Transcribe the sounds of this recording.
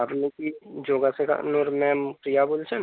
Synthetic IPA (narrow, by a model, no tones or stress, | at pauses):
abnikid͡ʒoːɡaseka̰noɾmɛ̃mpɾijabolt͡ʃʰən